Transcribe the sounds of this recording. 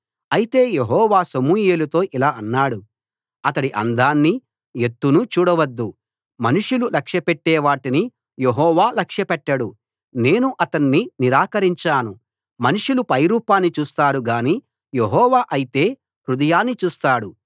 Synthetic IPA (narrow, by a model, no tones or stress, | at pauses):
ɐjit̪e̞ːje̞ɦɔːʋaːsɐmuːjeːlut̪o̞ːʔilaːɐnːaːɽu | ɐt̪ɐɽiʔɐ̰nd̪aːnːi | e̞t̪ːunut͡ʃuːɽɐʋɐd̪ːu | mɐnuʂululɐkʂjɐpeʈːɛːʋaːʈini | jeɦɔːʋaːlɐkʂjɐpɛʈːɐɽu | ne̞ːnuʔɐt̪ɐnːiniɾaːkɐɾiɲt͡ʃaːnu | mɐnuʂulupɐjɾuːpaːnːit͡ʃuːst̪aːɾuɡaːniː | jeɦɔːʋaːʔɐjit̪e̞ː | hɾud̪ɐjaːnːit͡ʃuːst̪aːɽu